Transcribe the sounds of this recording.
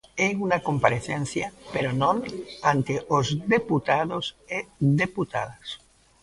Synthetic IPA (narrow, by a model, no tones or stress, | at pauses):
eunakompaɾeθenθjapeɾonõnant̪eʔozd̪eput̪aðozeðeput̪a̰ðas